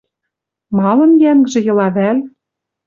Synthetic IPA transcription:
mɑlˠɤ̆njæŋɡʒɘ̆jɤ̆lɑβæl

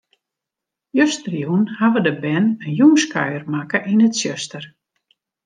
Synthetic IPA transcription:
jøstərjunhaʋədəbɛnənjumskʰœɥərmakəʔinətsjøstər

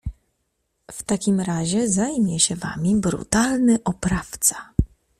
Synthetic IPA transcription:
ft̪akʲimɾaʑɛzajmʲjɛɕɛva̰mʲibɾṵt̪alnɘʔɔpɾaft̪sḁ

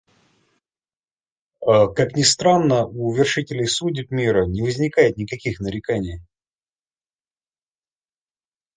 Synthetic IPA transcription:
əkaknʲɪst̪ɾanːəʔuvʲɪrʂɨtʲɪlʲɪjsudʲɪpmʲiɾənʲɪvəzʲnʲɪkajɪt̪̚nʲɪkɐkʲixnəɾʲɪkanʲɪj

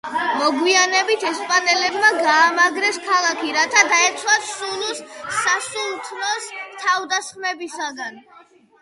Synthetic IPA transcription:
mɔɡwianɛbit̪ʰɛspʼanɛlɛbmaɡaːmaɡɾɛskʰalˠakʰiɾat̪ʰad̪aɛt̪sʰwasulusːasulˠt̪ʰnɔst̪ʰavd̪asχmɛbisaɡan

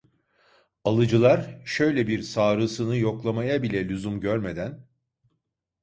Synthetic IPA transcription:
alˠɯd͡ʒɯlˠaɾʃø̞jlʲɛbiɾsaːɾɯsɯnɯjo̞klˠamajabilʲɛlʲuzumɟøɾme̞d̪æn

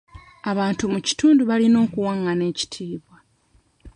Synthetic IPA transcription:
aβaːntumuci̥tuːnduβalino̞ːkuwaŋːane̞ːci̥tʰiːβwa

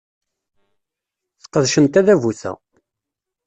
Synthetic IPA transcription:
θqəðʃənt̪æðævuθæ̰

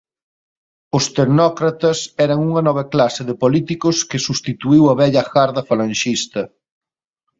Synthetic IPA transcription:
ʊst̪eɾnɔkɾɐt̪ɐsɛɾɐŋuŋɐnɔβ̞ɐklasɪðɪpolit̪ikʊskɪsust̪it̪uiwɐβɛʎɐxaɾðɐfalɐ̃nʃist̪ɐ

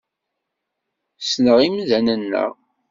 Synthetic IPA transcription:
snəʁimðænənːə̰ʁ

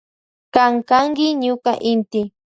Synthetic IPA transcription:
kaŋkaŋkɪɲʊkaʔɪnt̪ɪ

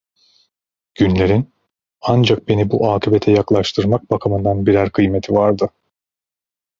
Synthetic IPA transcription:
ɟ̥ynlʲe̞ɾin | and͡ʒak̚be̞nibuʔaːkʰibet̪ʰɛjaklˠaʃt̪ʰɯɾmak̚bakʰamɯnd̪anbiɾæɾkʰɯjmet̪ʰivaɾd̪ɯ

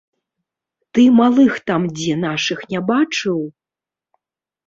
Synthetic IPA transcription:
t̪ɨmalˠɨxt̪amd͡zʲɛnaʂɨxnʲabat͡ʂɨw

